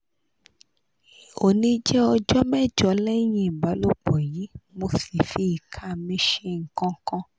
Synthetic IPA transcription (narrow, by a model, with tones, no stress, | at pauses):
o˨nĩ˧˦d͡ʒɛ˦ɔ˧d͡ʒɔ˦mɛ˦˨d͡ʒɔ˧˦lɛ˦j̃ĩ˦˨ɡ͡ba˨˦lo˦k͡pɔ˨ji˨˦mo˧si˨fi˧˦i˨kʰa˨˦˨mĩ˧˦ʃe˦˧˦ŋ̩˨kã˧˦kã˧